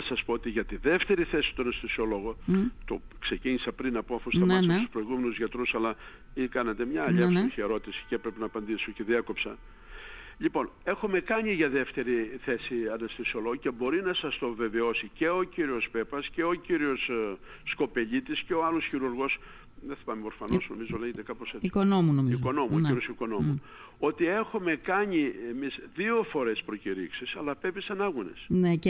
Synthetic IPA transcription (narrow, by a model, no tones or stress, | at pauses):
ɐsɐspoot̪iʝɐt̪iðe̞ft̪e̞ɾiθe̞si̥t̪oɐnɐst̪esiolo̞ɣot̪o̞ | kse̞ciɲisɐpɾinɐpoɐfust̪ɐnesst̪u̥spɾo̞iɣume̞nuzʝɐt̪ɾusɐlɐ | ikɐnɐt̪e̞mɲɐːʎɐsuçieɾo̞t̪isi̥ceepɾe̞penɐːpɐnd̪isoce̞ðiɐko̞psɐ | ʎipo̞ne̞xume̞kɐɲiʝɐðe̞ft̪e̞ɾiθe̞siɐnɐst̪isoloce̞bo̞ɾinɐsɐst̪o̞ve̞ve̞o̞sice̞o̞ciɾio̞spe̞pɐsce̞o̞ciɾio̞sː | ko̞pe̞ʎit̪isceoɐlosçiɾuɾɣo̞s | ðeθi̥pɐmeoɾfɐnsno̞̰mizoleʝet̪ekɐposikonomunomiiko̞no̞muoiɾjosiko̞no̞mu | o̞t̪ie̞xume̞kɐɲie̞miszðio̞fo̞ɾe̞spɾo̞ciɾḭksisɐlɐpepisɐnɐɣune̞̰sne